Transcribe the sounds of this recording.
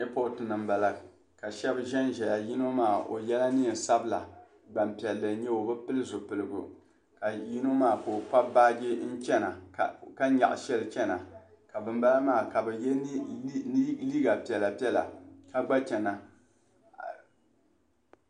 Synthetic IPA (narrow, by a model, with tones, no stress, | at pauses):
e˦po˦˨tɨ˨nɨ˨mba˨la˨ | ka˨ʃɛ˦bʒɛ˦nʒɛ˨ja˨ji˦no˦maː˦˨ʔo̰˨jɛ˦la˦nɨ˦˨sa˦bɨ˦la˨ | ba˨mpi˨ɛ˨lːɨ˨ɲɛ˦o˨bɨ˦pɨ˦lɨ˦zo˨pɨ˨lɨ˨ɡʊ˨ | ka˨ji˦no˦maː˦˨ko˨k͡pa˦ba˦ɡɪ˦n̩˦t͡ʃɛ˦na˨ka˦ɲa̰˨ʔʃɛ˦lɨ˨t͡ʃɛ˦na˨ | ka˨bɨ˨mba˦la˦maː˦˨ka˨bɨ˨jɛ˦ | liː˦ɡa˨pi˨ɛ˨la˨pi˦ɛ˦la̰˨ka˦ɡ͡ba˦t͡ʃɛ˨na˨